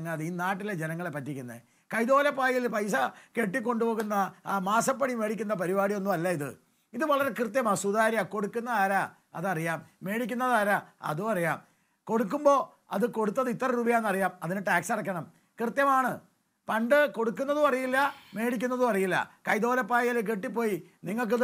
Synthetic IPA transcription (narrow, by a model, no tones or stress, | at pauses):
ŋːɐɭɐðɨiːnaːʈːiled͡ʑenɐŋːɐɭepːɐtːikʲːunːɐ | kɐjðo̞ːlɐpːaːjilpɐjsɐke̞ʈːikːo̞ɳɖupo̞ːɣunːɐmaːsɐpːɐɽime̞ːɽikʲːunːɐpɐɾibaːɽijo̞nːumɐlːɐiðɨ̰ | iðɨʋɐɭɐɾe̞krɨt̪jɐmaːsud̪aːɾjɐko̞ɽukːunːɐðaːɾaː | ɐ̰ðɐrijaːmːe̞ːɽikʲːunːɐðaːɾaɐ̰ðɨpɐrijaːm | ko̞ɽukːumbo̞ː | ɐ̰ðɨko̞ɽut̪ːɐðɨit̪ːɐrɐɾuːbɐjaːenːɐrijaːmɐðinɨʈaːksɐrɐkːɐɳɐm | krɨt̪jɐmaːɳɨ̰ | pɐɳɖɨko̞ɽukːunːɐðɨpɐrɐjilːɐme̞ːɽikʲːunːɐðɨpɐrɐjilːɐ̰kɐjðo̞ːlɐpːaːjɐilk̬e̞ʈːipːo̞ːjiniŋːɐɭk̬ɨ